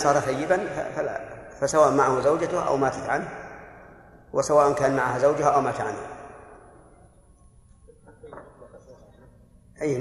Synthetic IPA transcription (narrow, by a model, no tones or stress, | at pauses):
sˤɑːɾˤɑθajːɪbanfa̰fala̰fasawaːʔʊmaʕahʊzawd͡ʒat̪ʊhʔa̰wmaːt̪at̪ʕanha | wɪsawaːʔʊnkaːnmaʕahazawd͡ʒʊhaʔawmaːt̪ʕanha | ʔiː